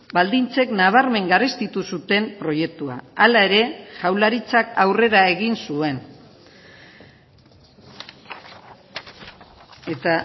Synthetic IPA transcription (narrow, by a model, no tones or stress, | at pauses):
bald̪int͡se̞knaβ̞aɾme̞ŋɡarist̪it̪usut̪e̞mpɾo̞je̞k̚t̪ua̰alae̞ɾe̞ʝawlaɾit͡sakawre̞ɾae̞ɣinsue̞n | e̞t̪a